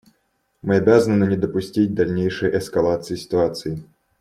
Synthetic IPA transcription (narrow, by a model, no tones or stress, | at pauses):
mɨɐbʲazənɨnɨnʲɪd̪əpʊsʲtʲit̚ʲd̪ɐlʲnʲejʂɨjəʔɛskɐlˠat̪sɨjɪsʲɪ̥t̪ʊat̪sɨɪ